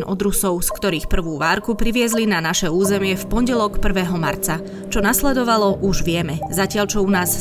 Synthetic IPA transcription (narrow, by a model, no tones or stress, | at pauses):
nʔɔ̰d̪ɾusɔʊskt̪ɔɾiːxpr̩ʋuːʋaːɾkupɾiʋɪɛzlinanaʃɛuːzɛmɪɛfpɔnɟɛlɔkpr̩ʋɛːɦɔma̰ɾt͡sa | t͡ʃɔnaslɛd̪ɔʋalɔʔuʒʋɪɛmɛzacɪalt͡ʃɔunaːs